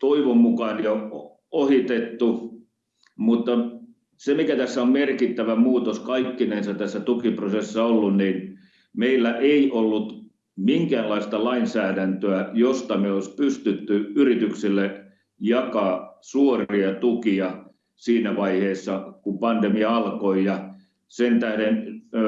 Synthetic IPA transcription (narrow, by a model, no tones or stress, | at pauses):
t̪oiʋommukɑnjo | ohit̪et̪ːu | mut̪ːɑ | semikæt̪æsːæommerkit̪ːæʋæmuːt̪oskɑikːineinsɑt̪t̪æsːæt̪ukiprosesːɑolːunniːn | meilːæʔeiʔolːut̪ | miŋkææːnlɑist̪ɑlɑinsæːdænt̪øæjost̪ɑmeoispyst̪yt̪ːyyrit̪yksilːe | jɑkɑːsuoriɑt̪ukiɑ | siːnæʋɑiheːsːɑkumpɑndemiɑɑlkoijɑ | sent̪æhden